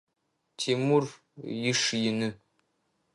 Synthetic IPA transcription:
tʰemur | jɪʂjɪnɨ

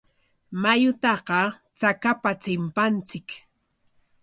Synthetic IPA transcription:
majʊt̪ɑqɑ | t͡sakapat͡sɪmpant͡sɪk

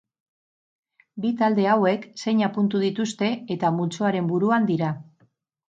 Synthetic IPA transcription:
bit̪ald̪e̞awe̞kse̞ɲapunt̪uðit̪ust̪e̞et̪amult͡so̞aɾe̞mbuɾuand̪iɾa

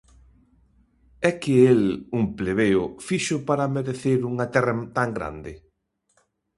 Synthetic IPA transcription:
ɛkɪelumpleβeʊfiʃʊpaɾɐmeɾeθeɾuŋɐt̪ɛrɐt̪aŋɡɾa̰nd̪ɪ

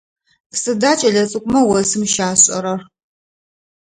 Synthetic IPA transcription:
psɨdaːt͡ʃʼɐɮɐt͡sʼɨkʷʼʊmɐwɐsɨmʃaːɕʼɐ̰ɾɐr

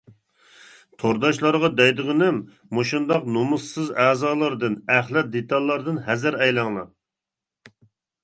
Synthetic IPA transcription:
t̪ʰoɾd̪ɑʃlˠɑɾʁɑd̪ɛjd̪ɨʁɨnɪmː | oʃund̪ɑqnomusːɨzæːzɑːlˠɑɾd̪ɨnæχlˠɛt̪̚d̪et̪ʰɑlˠːɑɾd̪ɨnɦɛzɪɾɛjlˠɑŋlˠɑ̰

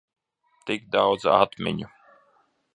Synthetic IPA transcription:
t̪iɡd̪awd̪za̰t̪mʲḛnʲu

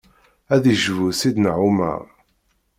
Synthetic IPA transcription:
æðiʒvusid̪nʕuma̰ʁ

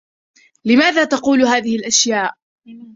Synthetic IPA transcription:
lɪmaːðaːt̪ɑquːlɦaːðɪhɪlʔaʃjaːʔ

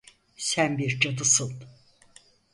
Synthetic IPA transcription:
sænbiɾd͡ʒad̪ɯsɯn

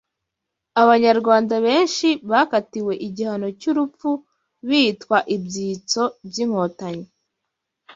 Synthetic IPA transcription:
aβaɲaɾɡwaːndaβe̞ːnʃiβaːkatiwe̞ʔiɟihano̞cuɾupp͡fu | βiːtkwaʔibɟiːt͡so̞bjiːŋ̥ho̞ːtaɲe

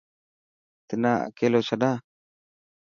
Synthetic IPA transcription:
t̪ənaʔkelosada

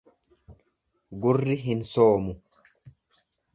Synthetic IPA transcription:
ɡʊrːɪɦɪnsoːmʊ

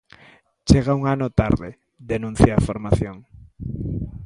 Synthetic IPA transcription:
t͡ʃeɣauŋanot̪aɾðḛ | ðenũn̟θjaːfoɾmaθjoŋ

